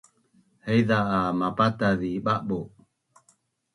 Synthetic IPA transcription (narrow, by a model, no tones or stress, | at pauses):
hɛjðaamapataðiɓaʔɓo